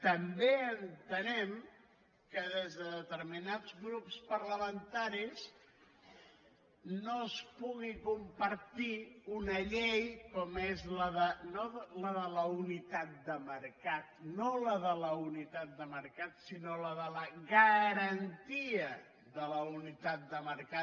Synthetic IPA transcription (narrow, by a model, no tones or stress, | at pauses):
t̪əmbeənt̪ənɛm | kəðezðəðət̪əɾminazɣɾupspəɾləmənt̪aɾis | noəspuɣikumpəɾt̪iunəʎejkɔmezləðənoðləðələunit̪at̪̚d̪əməɾkat̪̚noləðələunit̪at̪̚d̪əməɾkat̪sinoləðələɣəɾənt̪iə | ðələunit̪at̪̚d̪əməɾka